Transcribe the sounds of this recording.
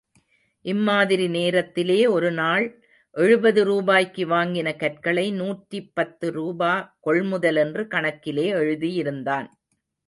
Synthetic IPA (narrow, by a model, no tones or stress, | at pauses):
ʔɪmːaːðɪɾineːɾɐt̪ːɪleːɔɾɯnaːɭ | ʔɛɻɯbɐðɯɾuːbaːjkːɯʋaːŋɡɪnɐkɐrkɐɭɐɪnuːʈripːɐt̪ːɯɾuːbaːkɔɭmʊðɐlɛndrɯkɐɳɐkːɪleːɛɻɯðijɪɾɯnd̪aːn